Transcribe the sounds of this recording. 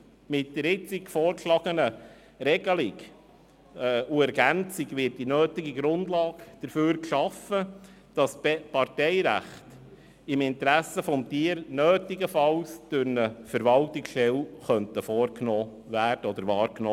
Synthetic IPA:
mɪt̚d̥əɾɪt͡sikfɔːɾkʃlɑːɡ̥ənə | ɾɛɡəlɪɡ | uɛɾɡænt͡sɪɡʋɪt̚dinøːtiɡiɡɾʊnd̥lɑːkd̥əɾfyːɾkʃɑfə | d̥ɑsɛpɑrtɛɪɾæ̰χt | ɪmɪntɾæsəfɔmtiəɾnøːtɪɡəfɑlsd̥ʉɾnəfəɾvɑltɪksʃɛlχœntəfɔːɾknɔː | væːrd̥əɔd̪əɾʋɑːɾkno

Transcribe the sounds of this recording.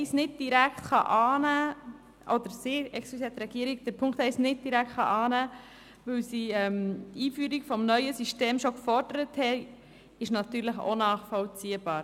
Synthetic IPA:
ɛɪsnɪd̚d̥iɾækʰt̪χɑ̰ʔɑːnæː | ʔɔd̪əɾseːɾɛksplisɛt̪ɾɛɡ̥iːəɾiɡ̚d̥əpʰʊŋkthɛɪsnɪt̚d̥iɾækʰt̪χɑ̰ʔɑːnæː | ʋɵwsiɛmtiːfyːɾiɡ̥fɔmnœʏəsyʃteːmʃokfɔɾd̥əɾəthɛ | ɪʃnɑt̪yːɾləχo̰nɑːχfɔlt͡siːəb̥ɑːɾ

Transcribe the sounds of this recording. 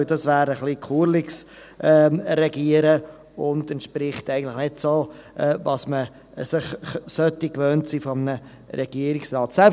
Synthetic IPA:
ɪdɑsvæːɾəχlikʰuːɾlɪks | ʔɛɾɛɡiːəɾə | ʊndɛntʃpɾɪχtæɪɡən̩tlɪχnɪtsoːʔɛvɑsmə | sɪχsœtikvøːntsiːfɔmənə | ɾɛɡ̥iəɾɪksrɑːtsɛlp

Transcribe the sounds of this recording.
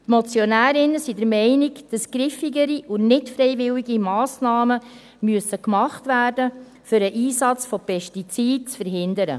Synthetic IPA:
tmot͡sjɔnæːɾɪnːəsidəɾmɛɪniɡd̥ɑsɡ̥ɾɪfiɡəɾiʔʊnɪtfɾɛɪvɪliɡimɑːsnɑːmə | myəsəkmɑχtvæːrdə | fʏɾəʔiːsɑt͡sfɔpɛʃtit͡siːt̚t͡sfəɾɦɪnd̪əɾə̰

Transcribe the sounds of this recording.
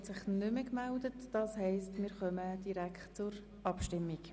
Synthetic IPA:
tsɪχnʏməkmældətd̥ɑːshɛɪstmɪːɾχœməd̥iɾækχtt͡sʊɾ | ʔɑpʃtɪmːik

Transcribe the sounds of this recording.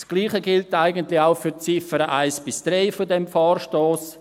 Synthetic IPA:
sɡ̥liːχəɡɪltaɪɡəntlɪxaʊfyt͡sɪfəɾəʔaɪsb̥ɪsd̥ɾɛɪfodɛmfɑːrʃtoːs

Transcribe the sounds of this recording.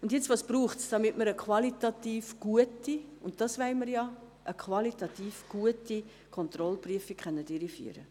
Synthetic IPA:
ʊndjɛt͡sʋɑːspɾuːχtsd̥ɑmɪtməɾəkʰʋɑlitɑtiːfɡ̥uətiʊnt̚dɑsʋæɪməɾjɑ | ʔəkχʋɑlitɑtiːfɡ̥uəti | kʰɔnt̪rɔlpryəfikχɛnːədiɾify̰ːɾə̰

